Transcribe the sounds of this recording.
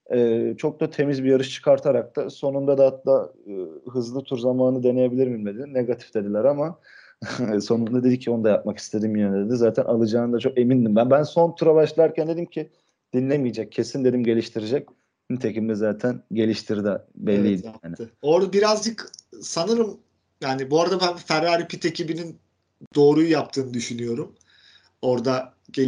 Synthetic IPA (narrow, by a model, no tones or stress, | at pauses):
ɛːt͡ʃʰo̞k̚d̪at̪ʰe̞mizbijaɾɯʃt͡ʃʰɯ̥kʰaɾt̪ʰaɾak̚t̪aso̞nund̪ad̪aat̪laːɯɦɯzlˠɯt̪ʰuɾzamaːnɯd̪e̞ne̞je̞bilʲiɾmimed̪ilʲineɡat̪ʰi̥fd̪e̞d̪ilʲæɾama | so̞nund̪ad̪e̞d̪icʰːio̞nd̪ajap̚maki̥st̪ʰe̞d̪imjøneed̪ɛzaːt̪ʰænʔalˠɯd͡ʒaːnd̪at͡ʃʰo̞ke̞mind̪imbænbænso̞nt̪ʰuɾabaʃlˠaɾcʰænd̪e̞d̪imcʰi | d̪̥inlʲemijid͡ʒac̚ʰːe̞sind̪e̞d̪imɟe̞lʲiʃt̪ʰiɾid͡ʒɛc̚ | nit̪ʰecimd̪ɛzaːt̪ʰænɟe̞lʲiʃt̪ʰiɾd̪ɛbɛlʲːijd̪iaːnɪo̞ɾd̪abiɾazd͡ʒɯksanɯɾɯm | jaːnibuaɾad̪abænfæɾːaːɾipʰit̪ʰecibinin | d̪o̞ːɾujujap̚t̪ʰɯːnɯd̪yʃynyjo̞ɾum | o̞ɾd̪a | ɟe